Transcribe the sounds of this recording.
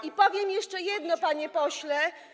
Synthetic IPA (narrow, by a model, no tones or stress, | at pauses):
ipɔvʲjɛmjɛʂt͡ʂɛjɛd̪nɔpaɲɛpɔɕlɛ